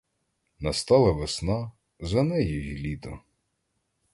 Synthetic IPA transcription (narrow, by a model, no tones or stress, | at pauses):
nɐst̪ɑlˠɐʋesnɑ | zɐnɛjijʲilʲid̪ɐ̰